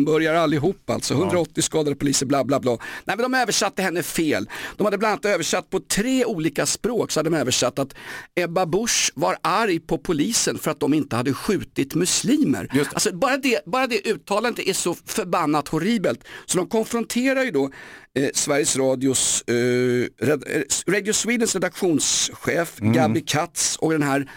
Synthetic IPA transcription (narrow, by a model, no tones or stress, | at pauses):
mbœɾjaɾalːɪɦuːpːa̰lt̪sɔɦɵnd̪ɾaɔt̪ːɪskɑːd̪ad̪əpʰʊliːsəɾblɑːblɑːblɑːnɛɪmɛnɔmaøːvəʂat̪ːəhɛnːəɛfeːld̪̥ɔmhad̪ːəb̪anat̪øːvəʂat̪̚ːpʰɔt̪ʰɾeːuːliːkaspɾoːksɔ̥had̪ədɔmøːvəʂat̪ːat̪ɛbabʊʂvaɾaɾjpʰɔpʰʊliːsənfœɾat̪̚d̪ɔmɪnt̪əhad̪ːəɧʉ̟ːt̪ɪt̪mɵsliːmə̰ɾalsɔbɑːɾad̪ɛbɑːɾad̪ɛʔʉ̟ːt̪ʰːɑːland̪əʔæʂɔfœɾbanːat̪hʊɾiːbəlt̪sɔd̪ɔmkʰɔnfɾɔnt̪ʰeːɾaɾjɵd̪ɔ | svæɾjəsɾɑːd̪ɪʊ | ɾɛɾɛd̪jʊsviːd̪ənsɾɛd̪akɧuːnsɧeːfɡabɪkʰat̪sɔk̚d̪ɛnɦæːɾ